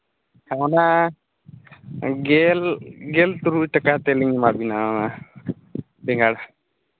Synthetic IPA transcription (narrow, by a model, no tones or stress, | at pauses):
haɔna | ɡelɡelt̪uɾuʈəkat̪eliŋimabinaana | bɛŋɡaɽa